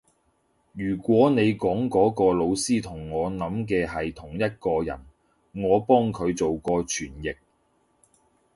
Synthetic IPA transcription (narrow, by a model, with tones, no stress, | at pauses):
jyː˨˩kʷwɔː˨˥ne˨˧jkɔː˨˥ŋkɔː˨˥kɔː˧lo˨˧wsiː˥t̪ʰʊ˨˩ŋːɔː˨˧nɐ˨˥mkɛː˧ɦɐ˨jt̪ʰʊ˨˩ŋjɐ˥t̚kɔː˧jɐ̰˨˩n | ŋɔː˨˧pɔː˥ŋkʰɵ˨˧ɥt͡so˨wkɔː˧t͡ʃʰyː˨˩njɪ˨k̚